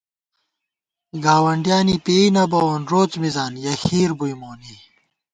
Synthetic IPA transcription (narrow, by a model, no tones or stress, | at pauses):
ɡaːwɐɳɖijaːnipeːinɐbɐwonɾoːt͡smizaːnjɐxiːɾbujmoːni